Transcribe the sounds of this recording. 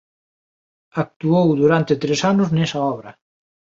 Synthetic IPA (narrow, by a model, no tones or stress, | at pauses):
ak̚t̪uowðuɾant̪ɪt̪ɾesanʊznɛsɐɔβ̞ɾɐ